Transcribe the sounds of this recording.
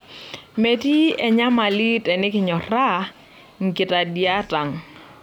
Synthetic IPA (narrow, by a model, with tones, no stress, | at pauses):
me˨ti˦ɛ˨ɲa˦ma˨li˦tɛ˨nɪ˦kɪ˨ɲɔ˨ra˦ | ŋ˨kɪ˨ta˨dja˦ta˨ŋ